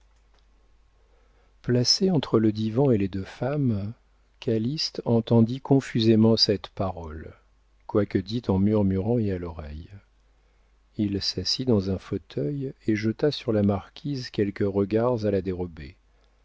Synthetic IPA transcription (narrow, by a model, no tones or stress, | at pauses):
plaseɑ̃t̪χələd̪ivɑ̃eled̪øfam | kʲalist̪ɑ̃t̪ɑ̃d̪ikɔ̃fyzemɑ̃sɛt̪paʁɔl | kwakəd̪it̪ɑ̃myʁmyʁɑ̃ealɔʁɛj | ilsasid̪ɑ̃zɛ̃fot̪ʰœjeʒət̪asyʁlamaʁkʲʰizkʲɛlkəʁəɡaʁzalad̪eʁɔbe